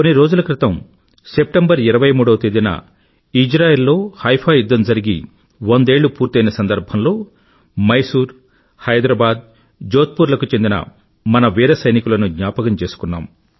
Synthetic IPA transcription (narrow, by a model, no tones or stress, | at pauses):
konːiɾo̞ːd͡ʒulɐkɾit̪ɐm | se̞p̚ʈembɐɾiɾɐʋɐjmuːɽɐʋɐt̪eːd̪inɐ̰ | id͡ʒɾaːjeːlːo̞ːhɐjpʰaːjud̪ːɐmd͡ʒɐɾiɡi | ʋond̪e̞ːɭːupuːɾt̪ɐjnɐsɐnd̪ɐɾbʱɐmlo̞ː | mɐjsuːɾ | hɐjd̪ɾaːbaːd̪̚ | d͡ʒoːt̪̚puːɾlɐkut͡ʃe̞nd̪inɐ̰ | mɐnɐʋiːɾɐsɐjnikulɐnuɡ̪ɲaːpɐɡɐmt͡ʃe̞ːsu̥kunːa̰ːm